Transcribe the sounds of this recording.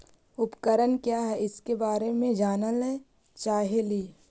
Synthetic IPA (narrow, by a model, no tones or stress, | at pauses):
ʊpkəɾənkjaːɦɛɪskebaːɾemẽd͡ʒaːnəlɛ | t͡ʃaːɦeliː